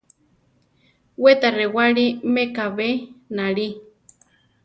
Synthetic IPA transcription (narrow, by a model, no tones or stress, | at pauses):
wet̪arewaɺimekaβenaɺi